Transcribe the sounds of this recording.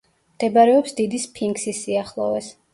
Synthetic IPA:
md̪̥ɛbaɾɛɔpsd̪id̪ispʰiŋɡsisiaχlˠɔ̰vɛ̰s

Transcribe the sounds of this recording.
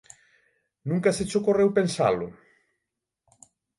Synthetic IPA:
nũŋkɐset͡ʃokorewpensa̰lʊ̰

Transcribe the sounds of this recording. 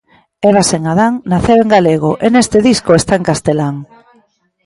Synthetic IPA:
eβ̞aseŋaðaŋnaθeweŋɡaleɣ̞oʔenest̪eðiskoest̪aeŋkast̪elaŋ

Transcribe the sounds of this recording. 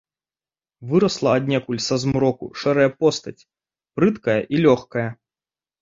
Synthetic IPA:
vɨɾɐslˠɐːd̪ʲnʲɛkulʲsɐzmɾɔkṵʂɛɾɐjɐpɔst̪ɐt͡sʲ | pɾɨt̪kɐjɐʔilʲɔxkɐjɐ

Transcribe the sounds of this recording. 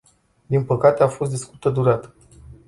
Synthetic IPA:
d̪inpəkat̪e̞afo̞st̪d̪iskut̪əd̪uɾat̪ə̥

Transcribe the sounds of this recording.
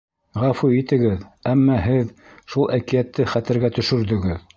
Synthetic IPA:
ʁæfuit̪ɘ̆ɡɘðæmːɑɦɘð | ʃulˠʔækĭjæt̪ːɘχæt̪ɘ̆ɾɡæt̪ɵ̆ʃɵ̆ɾðɵ̆ɡɘð

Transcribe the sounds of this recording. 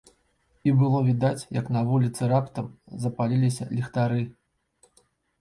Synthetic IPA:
ibɨlˠɔvʲid̪at͡sʲjɐknɐvulʲit̪sɨɾapt̪ɐmzɐpalʲilʲisʲɐ̰lʲixt̪aɾɨ

